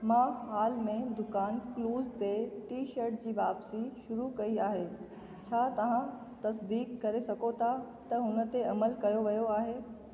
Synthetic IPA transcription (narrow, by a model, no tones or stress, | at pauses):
mãːɦaːlmẽd̪ʊkaːnkluːzt̪eʈiːʃəɾʈ̚d͡ʑiːʋaːbsiʃʊɾukɐiaːɦeː | t͡ɕʰaːt̪ɐʋ̤ãt̪ɐsd̪iːkːɐɾesɐkot̪ʰa | t̪ɐɦʊnə̆t̪eɐməlkɐjoʋɐjoaːɦeː